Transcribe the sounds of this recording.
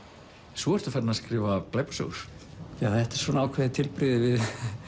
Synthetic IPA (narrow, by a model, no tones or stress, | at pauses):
sɔːɛr̥t̪ʏfɛt̪naskɾɪːvapleːjpḁso̰wɾ̥jaːθɛht̪ɛ̥sɔːnawkʰvɛːðɪt̪ʰɪlpɾɪðɪvɪð